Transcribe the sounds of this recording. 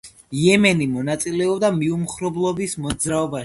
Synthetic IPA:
jɛmɛnimɔnat̪sʼilɛɔbd̪amiumχɾɔblˠɔbismɔd̪zɾaɔbaʃi

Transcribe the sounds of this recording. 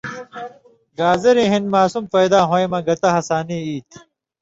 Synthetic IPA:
ɡaːzeɾiɦinmaːsumpɐjd̪aːɦõemɐɡɐt̪ɐɦɐsaːniiːt̪ʰ

